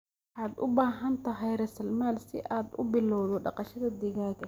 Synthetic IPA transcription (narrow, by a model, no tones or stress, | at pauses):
ʔaːd̪ʔʊbaːɦɐnt̪ʰɐɦɛjɾɛsɐlmaːlsɪ̰ʔaːd̪ʊ̰bɪlɔwðɔɖɑ̰qɑʃɐðɐd̪ɪɣaːɣɐ